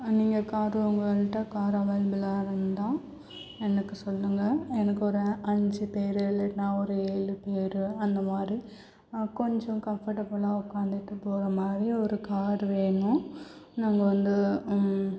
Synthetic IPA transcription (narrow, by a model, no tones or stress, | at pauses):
niːŋɡɐkaːɾʊŋɡɐʋɐlʈːɐkaːɾaːʋɐːlbɪlaːɾɯnd̪ãː | ɛnɐkːɯsɔlːɯŋɡɐɛnɐkːɯɔɾɯɐɲd͡ʒɯpeːɾlːɐʈnaːɔɾɯeːɻɯpeːɾɯɐnd̪ɐmaːd̪ɾi | kɔɲd͡ʒɔ̃kɐmfɐʈɐbɐɭaːʊkːaːnd̪ɪʈːɯpːoːɾɐmaːd̪ɾiɔɾɯkaːɾʋeːɳʊ̃naŋɡɐʋɐnd̪ɯ